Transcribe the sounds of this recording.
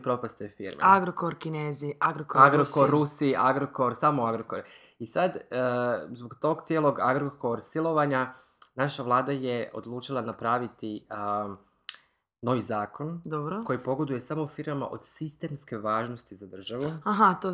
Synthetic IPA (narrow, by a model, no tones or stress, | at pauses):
pɾo̞past̪efiɾmḛaɡɾokoɾkineːziaɡɾokoaɡɾokoɾːusiʔaɡɾoko̞ɾsamoaɡɾokoɾ | isad̪ | zboɡt̪o̞ɡt̪sʲjelˠo̞ɡaɡɾoko̞ɾsilˠo̞ʋaɲa | naʃaʋlˠaːd̪aje̞o̰d̪lˠuːt͡ʃilˠanapɾaːʋit̪i | no̞ʋizaːko̞nd̪obɾoko̞jipo̞ɡo̞d̪uje̞samofiɾmama̰ʔo̞̰d̪̥sist̪e̞ːmske̞ʋaːʒnost̪izad̪r̩ʒaʋuaɦat̪o